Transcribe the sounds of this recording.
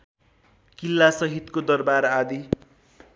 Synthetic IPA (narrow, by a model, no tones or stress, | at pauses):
kilːasʌɦit̪kod̪ʌrbaɾad̪i